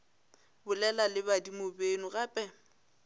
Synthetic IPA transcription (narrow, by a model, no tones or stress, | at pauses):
bʊlɛlalɪβadimobenʊɣapʼɛ